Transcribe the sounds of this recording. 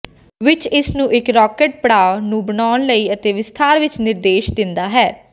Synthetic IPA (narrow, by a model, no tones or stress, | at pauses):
ʋɪt͡ʃɪsnũːʔɪkɾɔːkeʈ̚pəɽaːnũːbənaːnləiːət̪eːʋɪst̪ʰaːɾʋɪt͡ʃnɪɾd̪eːʃd̪ɪnd̪aːɦɛː